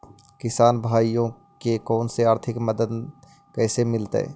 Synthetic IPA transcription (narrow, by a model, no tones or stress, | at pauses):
kɪsaːnbʱaːijõ | kekɔːnseaːɾt̪ʰɪkməd̪əd̪ | kɛːsemɪlt̪ɛ̰ː